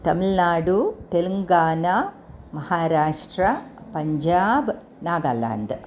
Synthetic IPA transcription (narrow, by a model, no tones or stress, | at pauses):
t̪ɐmilnaːɽut̪elɐŋɡaːna | mɐhaːɾaːʂʈɾɐpɐɲd͡ʒaːb | naːɡa̰ːla̰ːnd̪